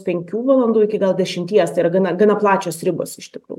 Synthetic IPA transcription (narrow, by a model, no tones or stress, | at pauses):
pʲɛŋʲkʲuːʋɐlˠɐnd̪uːɪkʲɪɡɐlˠd̪ʲɛʃʲɪmʲt̪ʲiɛst̪ɐɪiɾɐɡɐnɐɡɐnɐplˠɑːt͡ʃʲoːsɾʲɪbo̰ːsɪʃt̪ʲɪkɾṵːj